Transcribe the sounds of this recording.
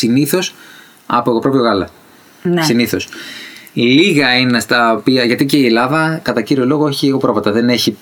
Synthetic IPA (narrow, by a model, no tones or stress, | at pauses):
siniθo̞s | ɐ̰poeɣopɾopoɣɐlɐ̰ | nsiniθo̞s | liɣɐinest̪ɐopiɐʝɐt̪ice̞ie̞lɐðɐkɐt̪ɐciɾio̞lo̞ɣoeçieɣo̞pɾovɐt̪ɐðe̞neçi